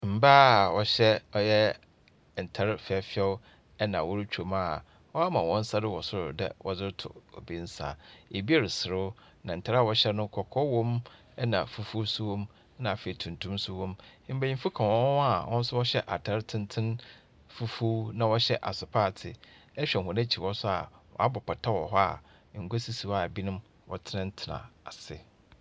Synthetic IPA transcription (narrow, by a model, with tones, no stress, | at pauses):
m̩˨baː˦˨wɔ˨ɕɛ˦ɔ˦jɛ˦ | n̩˨tʰɛ˦ɾfɪ˨ɛ˨fɪ˦ɛ˦ʊ˦ | ɛ˦nã̰˨wɔ˦ɾt͡ɕᶣʰo˨ma˨ | ɔ˦a˦mã˨wɔ̃˦n̩˦sa˦dɪ˦wɔ˨sʊ˦ɾʊ˨dɛ̰˨wɔ̰˨d͡zɪ˦ɾtʰʊ̰˨o̰˨bi˦n̩˦sa̰˨e˨bi˦a˦˨ɾɪ˨sɪ˨ɾʊ˦ | nã˨n̩˨tʰa˦ɾa˨wɔ˨ɕɛ˦nʊ̃˦kʰɔ˨kʰɔ˦wɔ̃˦m | ɛ˦nã˨fu˨fu˦su˦wɔ̃˦m˦ | nã˨fe˨i˨tʰũ˨ntʰũ˦msʊ˦wɔ̃˦m̃˦m̩˦bæ˨ɲĩ˦mfu˦kʰã˨wɔ̃˦a˨ʔɔ̃˦n̩˦sʊ˦wɔ˦ɕɛ˦ʔa˨tʰa˦ɾtʰɪ̃˦ntʰɪ̃˦n | fu˦fu˦nã˨wɔ˦ɕɛ˦ʔa˨sʊ˨pʰaː˦˨tʰɪ̰˨ɛ˦ɕᶣɛ˨ɦʊ̃˨nã˦t͡ɕʰi˨wɔ˦sʊ˦a̰˨wɔ̰˨a˦bɔ˨pʰa˨tʰa˦wɔ˨ɦɔ˦a̰˨˦ | ŋ̩˨ɡʷo˦si˦si˨wa˨bi˦nʊ̃˦m | wɔ̰˨tʰɪ˦nã˦n̩˦tʰɪ˨nã̰˨a˨sɪ̰˦